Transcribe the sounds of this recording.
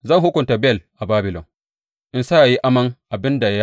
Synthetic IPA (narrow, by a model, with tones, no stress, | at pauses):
zɐ˦˨ŋɦʊ˦kʷʊ˨nta˨bɛ˦˨lʔa˨baː˦bɪ˨lɔ̰˨ŋ | ʔɪ˨nsa˦ʔa˨ji˦ʔa˦mɐ˦ŋʔa˨bɪ˦nda˨ja˦